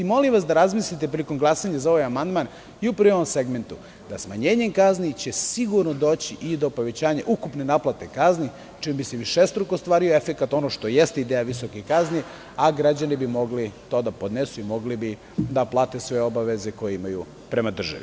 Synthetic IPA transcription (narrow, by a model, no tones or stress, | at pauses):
imo̞limʋasd̪aɾazmislit̪epɾilikomɡlˠasaɲazao̞ʋajamand̪man | iupɾ̩ʋeoomse̞ɡme̞nt̪u | d̪̥asmaɲeːɲeŋkaznit͡ɕesiɡuɾnod̪o̞ːt͡ɕiʔid̪o̞po̞ʋe̞t͡ɕaːɲaʔukupne̞naplˠat̪e̞kazni | t͡ʃimbiseʋiʃest̪ɾukost̪ʋaːɾioe̞fekat̪o̞noʃt̪o̞je̞st̪eid̪eːjaʋisokikazni | aɡɾad͡ʑanibimo̞ɡlit̪o̞ːd̪apo̞d̪nesuimo̞ɡlibi | d̪aplˠaːt̪esʋe̞o̞baʋe̞ze̞ko̞jeimajṵ | pɾe̞mad̪r̩ʒa̰ʋḭ